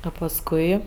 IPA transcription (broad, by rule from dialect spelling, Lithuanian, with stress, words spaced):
ɐ pɐsˈkʊɪ